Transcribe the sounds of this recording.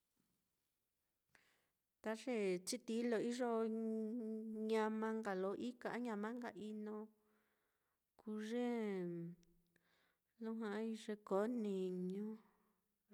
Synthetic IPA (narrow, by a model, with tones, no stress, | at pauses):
t̪a˦ʐe˦˨t͡ʃi˦t̪i˧˦lo˧i˦ʐo˦ | ɲã˧mã˧ŋɡa˨lo˧˦ʔi˦ka˧a˦ɲã˧mã˦ŋɡa̰˧˨ʔi˧nõ˧ | kʰuː˧˦ʐe˦ | lũ˦ɦã˧˦i˧ʐe˧ko˨˦nĩ˧˨ɲõ˦